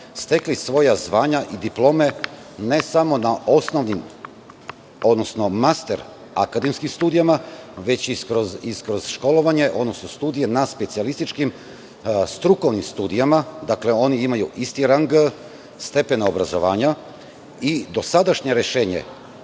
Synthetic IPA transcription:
st̪e̞klisʋo̞jazʋaːɲaʔid̪iplˠo̞me̞ | ne̞samo̞nao̞sno̞ʋnim | o̞d̪no̞sno̞mast̪eɾ | a̰kad̪emskimst̪uːd̪ijamaʋe̞t͡ɕiskɾoziskɾo̞z̥ʃko̞lo̞ʋaɲe̞ʔo̞d̪no̞snost̪uːd̪ije̞naspe̞t̪sialist̪it͡ʃkim | st̪ɾuko̞ʋnimst̪uːd̪ijamad̪akle̞o̞niimajuist̪iɾaŋɡ | st̪e̞pe̞naobɾazo̞̰ʋaːɲa | id̪o̞sad̪aʃɲe̞ɾeʃe̞ːɲḛ

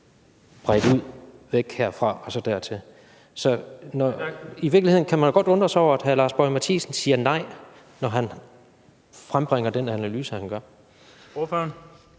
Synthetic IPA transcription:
b̥ʁad̥uð̞̰ˠʋeɡ̥heɐ̰fʁɑ̈ɒ̽sɒ̽d̥æɐ̰t͡sʰe̝l | sɒ̽nɒiʋiɐɡ̥lie̝n̩kʰæmænjɡ̥ɒ̽d̥ɔ̽nd̥ʁɐsɒʊ̰ɐæd̥ɦælɑ̈ːsb̥ɒɪmæt͡sʰḭːsən̩siːɐnɑ̈ɪ̰ | nɒɦæn | fʁamb̥ʁeŋ̰ɐd̥enænælyːsəhænɡ̥ɶɐ | føn

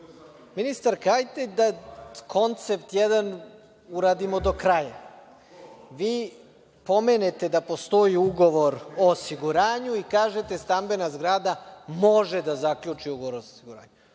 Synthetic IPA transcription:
minist̪aɾkajt̪ed̪akʰo̞nt̪se̞pt̪jed̪an | uɾaːd̪imo̞d̪o̞kɾaːja | ʋiː | po̞meːnet̪e̞d̪apo̞st̪o̞jiuɡo̞ʋo̞ɾo̞ːsiɡuɾaːɲuikaːʒet̪e̞st̪ambe̞nazɡɾaːd̪amo̞ʒed̪azakʎut͡ʃiuɡoʋoɾosiɡuɾa̰ːɲu

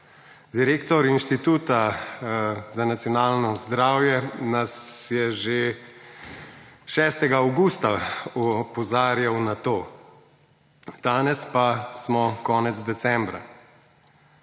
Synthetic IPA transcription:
d̪iɾeːkt̪ɔɾinʃt̪it̪uːt̪a | zanat̪sjɔnaːlnɔzd̪ɾaːwjɛnasjɛʒe | ʃɛːst̪ɛɡaːwɡuːst̪aɔpɔzaːɾjawnat̪oː | d̪̥aːnɛspasmɔkɔːnɛt̪zd̪ɛsɛmbɾa̰

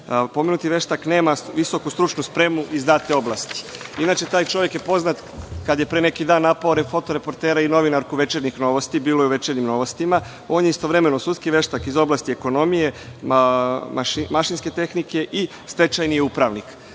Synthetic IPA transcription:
po̞menut̪iʋe̞ʃt̪akne̞ːmaʋiso̞kust̪ɾut͡ʃnuspɾe̞muʔizd̪aːt̪eo̞blˠast̪i̥inat͡ʃe̞t̪aːjt͡ʃo̞ʋje̞kjepo̞znat̪ | kad̪je̞pɾene̞kid̪aːnːapaoɾenfo̞t̪o̞ɾe̞po̞ɾt̪e̞ːɾaino̞ʋinaɾkuʋe̞t͡ʃeɾnixno̞ʋo̞st̪ibiːlojeuʋe̞t͡ʃeɾnimno̞ʋost̪ima | o̞ːnjeist̪o̞ʋɾe̞me̞no̞sud̪skiʋe̞ʃt̪akizo̞blˠast̪ieko̞no̞mije̞ | maʃimaʃinske̞t̪e̞xnike̞ʔi | sp̪e̞t͡ʃajnijupɾaʋnik

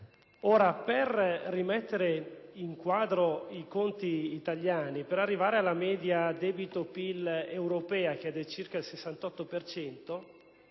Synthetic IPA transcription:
oːɾaperːimɛt̪ːeɾeiŋkwaːd̪ɾoikont̪iːt̪aʎjaːnipeɾarːivaːɾealːamɛːd̪jad̪ɛːbit̪opilewɾopɛːak̟eɛd̪ːelt͡ʃirkailsesːant̪ɔt̪ːopert͡ʃɛnt̪o

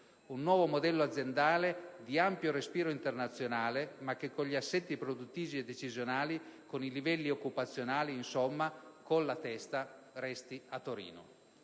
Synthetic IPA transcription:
unːwɔːvomod̪ɛlːoad̪zːjend̪aːled̪iampjoɾespiːɾoint̪ernat̪sːjonaːlemakːekːoɲʎːiasːɛt̪ːipɾod̪ut̪ːiːvied̪ːet͡ʃizjonaːlikonilivɛlːiokːupat̪sːjonaːliːnsomːakonlat̪ɛst̪a | rɛst̪iat̪ːoɾḭːno̰

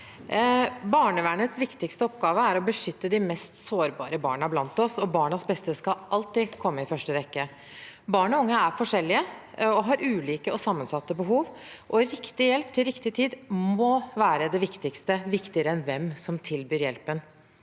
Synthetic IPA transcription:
bɑːɳəʋæːɳət̪sʋɪkt̪ɪkst̪əɔpɡɑːʋəæɾɔbəʂʏt̪ːəd̪ɪmɛst̪soːɾbɑ̰ːɾəbɑ̰ːɳəblɑnt̪ɔsɔbɑːɳəsbɛst̪əskɑʔɑlt̪ɪːkʰɔmːəɪfœʂʈəʋɛkːə | bɑːɳɔʊŋːəæɾfɔʂɛlːɪəɔɦɑɾʔʉːliːkəɔsɑmːənsɑt̪ːəbəɦuːʋʔɔɾɪkt̪ɪjɛlpt̪ʰɪlɾɪkt̪ɪt̪ʰiːd̪mɔʋæːɾəd̪ɛʋɪkt̪ɪkst̪əʋɪkt̪ɪəɾəɛnʋɛmsɔmt̪ʰɪlbyːɾjɛ̰lpən

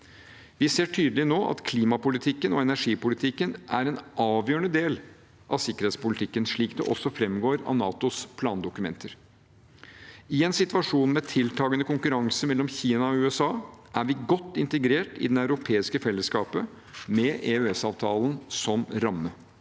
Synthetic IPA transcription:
ʋɪseːʈʰyːd̪lɪnoːʔɑ̰t̪kʰliːmɑpʊlɪt̪ʰɪkːənɔɛnæʂiːpʊlɪt̪ʰɪkːənʔæɾɛnʔɑːʋjøːəɳəd̪eːl | ʔɑ̰ʋsɪkːəɾeːt̪spʊlɪt̪ʰɪkːənʂɭiːkd̪ɛʔɔsːɔfɾɛmɡoːɾɑ̰ʋnɑːt̪ʊspʰlɑːnd̪ʊkʉmɛ̰nt̪ʰəɾ | ɪɛnsɪt̪ʋɑʂuːnmɛt̪ʰɪlt̪ʰɑːɡənəkʊŋkʉɾɑŋsəmɛlːɔmçiːnɑɔʉːɛsɑːʔæɾʋɪɡɔt̪ːɪnt̪əɡɾeːʈɪ̰d̪ɛnɑʉɾʊpʰeːɪskəfɛlːəskɑːpə | mɛʔeøɛsɑːʋt̪ʰɑːlnsɔmɾɑmːə

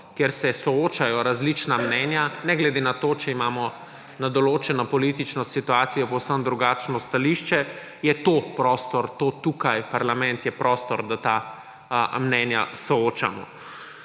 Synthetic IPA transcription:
kjɛɾsɛsɔoːt͡ʃajɔɾazlit͡ʃnamnɛːnjanɛɡlɛd̪enat̪oːt͡ʃɛimaːmɔ | nad̪ɔloːt͡ʃɛnɔpɔlit̪it͡ʃnɔsit̪uaːsijɔpowsəmd̪ɾuɡaːt͡ʃnɔst̪aliʃt͡ʃɛ | jɛt̪opɾɔst̪ɔɾt̪ot̪ukajpaɾlamɛ̃nt̪jɛpɾʔɔst̪ɔɾd̪at̪aː | mnɛnjasɔoːt͡ʃa̰mɔ̰

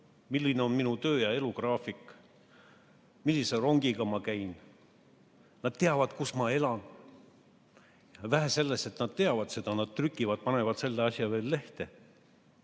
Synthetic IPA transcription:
milːineo̞nminut̪ø̞ːjɑe̞lukrɑːfikːˑ | milːise̞ro̞ŋɡ̥iɡ̥ɑmɑkæjn | nɑd̪̥̚t̪e̞ɑvɑd̪̥kusmɑe̞lɑn | væɦæse̞lːese̞t̪nɑd̪̥̚t̪e̞ɑvɑd̪̥se̞d̪̥ɑnɑd̪̥̚t̪rykˑːivɑd̪̥̚pɑne̞vɑd̪̥se̞lːe̞ɑsjɑve̞ːlːe̞ht̪e̞

